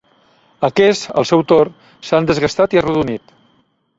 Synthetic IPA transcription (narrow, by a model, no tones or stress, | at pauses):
əkɛsə̰lˠsɛwt̪or | sand̪əzɣəst̪at̪iaruðunit̪